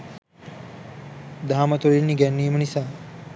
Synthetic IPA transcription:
d̪aːmɐt̪uɾinniɡɛnːiːmənisa

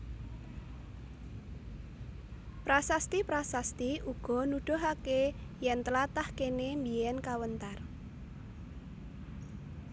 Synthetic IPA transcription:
pɾasast̪ipɾasast̪iʔuɡ̥ɔ̤nuɖ̪̥ɔ̤ɦakejɛnt̪əlat̪ahkenembijɛnkawənt̪ar

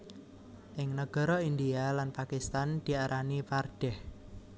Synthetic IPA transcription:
ʔɪŋnəɡ̥ɔ̤ɾɔind̪ialanpakist̪and̪̥i̤aɾʔaniparɖ̥ɛh

